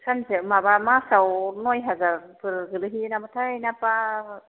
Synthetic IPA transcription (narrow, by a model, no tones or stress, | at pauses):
sʰanzemabamasawnojɦazaɾpʰɯɾɡɯlɯɦinamɯtʰajnapaɾ